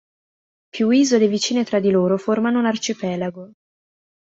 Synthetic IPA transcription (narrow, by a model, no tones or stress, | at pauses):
pjuiːzod̪evit͡ʃiːnet̪ɾad̪ːiloːɾoformanounart͡ʃipɛːlaɡo